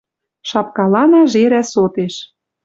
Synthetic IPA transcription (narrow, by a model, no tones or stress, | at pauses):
ʃɑp̚kɑlɑnɑʒeɾæsot̪eʃ